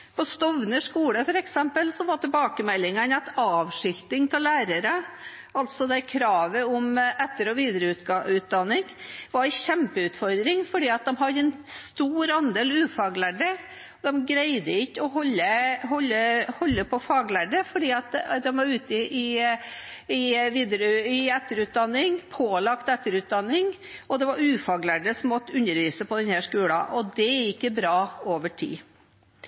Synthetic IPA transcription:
pʰɔst̪ɔʋnəʂkuːləfɔɾɛksɛmpəlsɔʋɑʈ̪ɪlbɑːkəmɛlːɪŋənɑt̪ɑːʋʂɪlt̪ɪŋt̪ʰɪllæːɾəɾə | ʔɑlt̪sɔd̪æɪkʰɾɑːʋəɔmɛt̪ːəɾɔʋiːd̪ɾəʉt̪ʉːt̪̚d̪ɑnːɪŋʋɑɾɕɛmpəʉːt̪fɔɾd̪ɾɪŋfɔɖiːɑt̪̚d̪ɛmɦɑɾɛnst̪uːɾɑnd̪eːlʉːfɑːɡlæɖə | ɔd̪ɛmɡɾæɪd̪əɪkːɔhɔlːəhɔlːəhɔlːəpʰɔfɑːɡlæɖəfɔɖiːɑt̪d̪ɛmʋɑɾʉːt̪ɪʔɪ | ɪʋiːd̪əɾɪɛt̪ːəɾʉːt̪̚d̪ɑnːɪŋpʰoːlɑkt̪ɛt̪ːəɾʉːt̪̚d̪ɑnːɪŋ | ɔd̪ɛʋɑɾʉːfɑːɡlæɖəsɔmːɔt̪ːəʉnːəɾʋiːsəpʰɔd̪ɛnhæːʂkʉːlɑ̰ʔɔd̪ɛæɾɪkːəbɾɑːoːʋəʈʰḭː

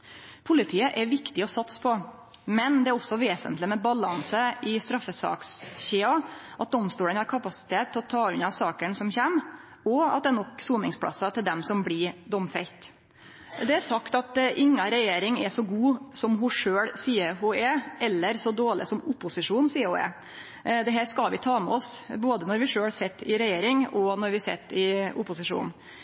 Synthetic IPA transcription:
pʰʊlɪt̪ʰiːəʔɛɾʋɪkt̪ɪɔsɑt̪spʰɔ | mɛnd̪ɛæɾɔsːɔʋeːsə̰nt̪lɪmɛbɑlɑnsəɪst̪ɾɑfːəsɑ̰ːksçeːɑʔɑt̪̚d̪ɔmst̪uːlənhɑɾkʰɑpɑsɪ̥t̪ʰeːt̪ʰːɔt̪ʰɑːʉnɑsɑːkəɳsɔmçɛm | ɔɑ̰t̪̚d̪ɛɛɾnɔkːsuːnɪŋspʰɽɑ̰sːɑt̪ʰɪld̪ɛmsɔmbɽɪd̪ɔmfɛlt̪ | d̪ɛæɾsɑkt̪ɑt̪ʔɪŋːɑɾɛjeːɾɪŋɛsɔɡuːsɔmɦʊʂøːɽsiːəɾɦʊɛʔɛlːəɾsɔd̪oːɭɪ̰sɔmʊpːʊsɪʂuːnsiːhʊɛ̰ | d̪ɛɦæːɾʂkɑlʋɪt̪ʰɑːmɛɔsboːd̪ənɔɾʋɪʂøːɽsɛt̪ːɪɾɛjeːɾɪŋɔnɔɾʋɪsɛt̪ːɪʊpʊsɪʂṵːnn̩

